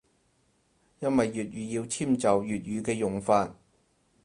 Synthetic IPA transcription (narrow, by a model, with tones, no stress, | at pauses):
jɐ˥nwɐ˨jːyː˨t̚ɥjyː˨˧jiː˧wt͡sʰiː˥˩mt͡sɐ˨wjyː˨t̚jyː˨˧kɛː˧jʊ˨˩ŋfaː˧t̚